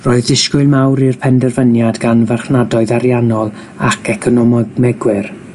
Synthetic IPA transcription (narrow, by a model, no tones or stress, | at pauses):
roːɨðɪskʊɨlˠmawɾirpʰɛndɛrvənjadɡanvaχnadɔɨðaɾjanɔlˠ | akʰɛkʰɔnɔmmɛɡwɪr